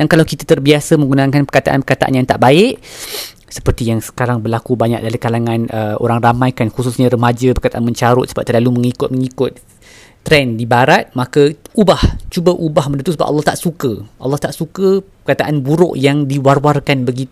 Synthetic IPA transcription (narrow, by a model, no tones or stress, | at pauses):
dankalawkit̪at̪ərbiasəmə̃ŋɡunakanpərkat̪a̰ʔa̰npərkat̪a̰ʔa̰njaŋt̪aʔbaɪʔ | sə̥pərt̪ijaŋsə̥kaɾaŋbərlakubaɲa̰k̚dalikalaŋãnəo̰ɾaŋramajkanxususɲãɾəmad͡ʒəbərkat̪aʔanməɲt͡ʃaɾʊt̪̚səbap̚t̪ərlaluməŋikʊt̪̚məŋikʊt̪̚ː | ɾɛndibaɾat̪̚makəubaht͡ʃubaʔubahmənut̪usəba̰ʔɑ̰lːɔht̪aʔsukəʔa̰lːɑht̪aʔsukəpərkat̪aʔanbuɾʊ̰ʔjaŋdiwarwarkanbəɡi